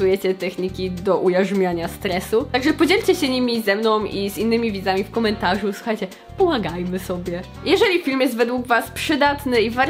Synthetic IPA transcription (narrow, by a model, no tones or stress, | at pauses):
ujɛt͡ɕɛt̪ɛxɲikʲid̪ɔʔujaʐmʲjaɲast̪ɾɛsut̪aɡʐɛpɔd͡ʑɛlʲt͡ɕɛɕɛɲimʲizɛmnɔ̃w̃izinːɘmʲivʲid̪amʲifkɔmɛnt̪aʐuswu̥xajt͡ɕɛ | pɔmaɡajmɘsɔbʲjɛ | jɛʐɛlʲifʲilmjɛst̪vɛd̪wuɡvaspʂɘd̪at̪nɘivaɾ